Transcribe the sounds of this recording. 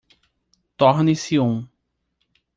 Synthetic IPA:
t̪ɔɾnɪsiũ

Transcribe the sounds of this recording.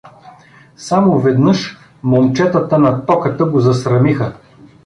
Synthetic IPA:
samʊvɛd̪nɤʃ | molˠt͡ʃɛt̪ət̪ənɐt̪ɔkət̪əɡozɐsɾɐmixə

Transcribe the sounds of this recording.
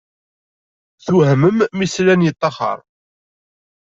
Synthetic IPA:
θuhməmːislænjət̪ˤːɑχə̰ɾˤ

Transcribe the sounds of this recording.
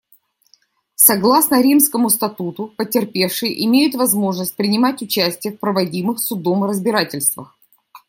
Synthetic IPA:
sɐɡlˠasnəɾʲimskəmʊst̪ɐt̪ut̪ʊpətʲɪrpʲe̞fʂɨjʔɪmʲejʊt̪vɐzmo̞ʐnəsʲt̚ʲpɾʲɪnʲɪmatʲʊt͡ɕæsʲtʲɪjəfpɾəvɐdʲimɨxsʊd̪o̞mɨɾəzbʲɪɾatʲɪlʲst̪və̰x

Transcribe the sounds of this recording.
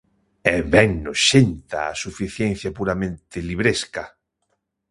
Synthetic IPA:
ɛβɛŋnʊʃent̪a̰ːsufiθjɛn̟θjapuɾamẽnt̪ɪliβɾeska

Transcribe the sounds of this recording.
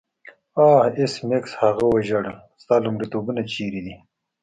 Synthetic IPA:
aːhismekshɐɣawɐʒɐɽ | st̪aːlumɾit̪oːbunat͡ʃiːɾid̪i

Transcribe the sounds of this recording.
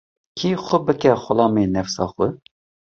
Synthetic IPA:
kʰiːxʷʊbɨkɛxʷʊlɑːmeːnɛfsɑːxʊ

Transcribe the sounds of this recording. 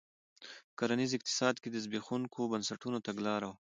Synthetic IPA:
kaɾanizɪq̚t̪ɪ̥sɑd̪ked̪əzbexuŋkʰobansaʈunot̪aɡlɑɾaw

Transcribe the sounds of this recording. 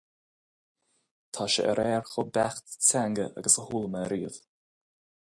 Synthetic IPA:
t̪ʰaːʃə̰ʔəɾʔɛːɹxʊbaxt̪saŋɡəʔa̰ɡəsəhuːləməɾiːəv

